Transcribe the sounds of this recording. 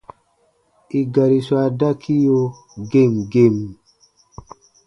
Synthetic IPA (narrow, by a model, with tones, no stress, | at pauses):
i˨ɡa˨ɾi˨swa˨da˦kʰi˦jo˧ | ɡe˦˨mɡe˦˨m